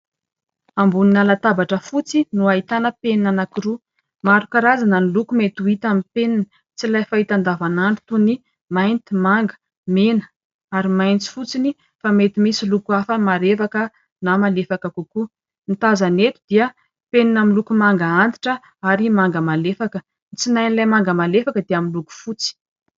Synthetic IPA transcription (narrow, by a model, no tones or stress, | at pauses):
ambuninalat̪abaʈ͡ʂəfut͡sinuait̪anəpeninanakiɾu | maɾukaɾazananilukumet̪uit̪amipeninə | t͡silajfait̪and̪avanaɳɖ͡ʐu̥t̪uni | majnt̪imaŋɡə̥ | menə̥ | aɾimajnt͡si̥fut͡sini | famet̪imisilukuafəmaɾefakə | namalefakakuku | nit̪azanet̪u̥d̪̥iə | peninamilukumaŋɡaand̪i̥ʈ͡ʂə | aɾimaŋɡəmalefakə | nt͡sinajnilajmaŋɡəmalefakəd̪eamiluku̥fut͡si̥